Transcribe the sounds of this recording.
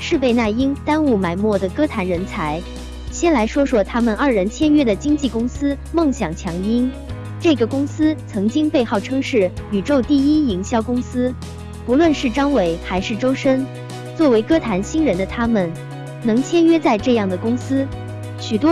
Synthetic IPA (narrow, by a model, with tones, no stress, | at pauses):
ʂɻ̩˥˧pe˥˧ɪna˥˩i˥ŋt̪a˥nu˥˩ma˨˩ɪmwɔ˥˩d̪ə˩kɤ˥t̪ʰa˧˥nɻə˧˥nt͡sʰa˧˥ɪ | ɕjɛ˥nla˧˥ɪʂwɔ˥ʂwɔ˥t̪ʰa˥mə˨nɐ˞˥˩ɻə˧˥nt͡ɕʰjɛ˥nɥɛ˥d̪ə˨t͡ɕi˥ŋt͡ɕi˥˩kʊ˥ŋsɹ̩˥ | mɤ˥˩ŋɕjɑ˨˩ŋt͡ɕʰjɑ˧˥ŋi˥n | ʈ͡ʂɤ˥˩ɡə˩kʊ˥ŋsɹ̩˥t͡sʰɤ˧˥ŋt͡ɕi˥ŋpe˥˧ɪxɑ˥˩ʊʈ͡ʂʰɤ˥ŋʂɻ̩˥˩ny˨˩ʈ͡ʂo˥˧ʊt̪i˥˩i˥i˧˥ŋɕjɑ˥˩ʊkʊ˥ŋsɹ̩˥ | pu˧˥lwə˥˧nʂɻ̩˥˩ʈ͡ʂɑ˥ŋwe˨˩ɪxa˧˥ɪʂɻ̩˥˩ʈ͡ʂo˥ʊʂə˥n | t͡swɔ˥˩we˧˥ɪkɤ˥t̪ʰa˧˥nɕi˥nɻə˧˥nd̪ə˧t̪ʰa˥mə˨n | nɤ˧˥ŋt͡ɕʰjɛ˥nɥɛ˥t͡sa˥˧ɪʈ͡ʂɤ˥˧jɑ˥˩ŋd̪ə˩kʊ˥ŋsɹ̩˥ | ɕy˨˩t̪wɔ˥